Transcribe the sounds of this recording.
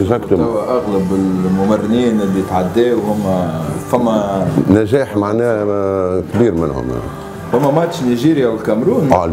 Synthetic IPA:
zakt̪æwʔaɣlabɪlmʊmarːɪniːnlːijt̪ʕad̪ːɛːwhʊmːæfæmːænæʒæːħmaʕnæː | kbiːɾmɪ̰nhʊ̰ma̰n | hʊmːæmæt̪ʃniʒiːɾjawɪlkæmɾuːnː

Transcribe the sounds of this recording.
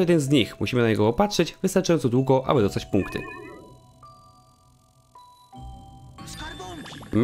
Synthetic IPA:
jɛd̪ɛnzɲixmuɕimɘnaɲɛɡɔːpatʂɛd͡ʑvɘst̪aɾt͡ʂajɔnt̪sɔd̪wuɡɔʔa̰bɘd̪ɔst̪at͡ɕpuŋkt̪ɘ̰ | m

